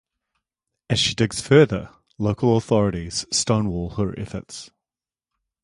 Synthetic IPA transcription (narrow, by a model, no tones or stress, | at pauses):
ɨz̥ʃidɪɡz̥fɜːðə̰ | ləʊkʰəlˠəθɒɹəɾiz̥stə̃ʊ̃nwɔːlˠəɹʔɛ̰θə̰ts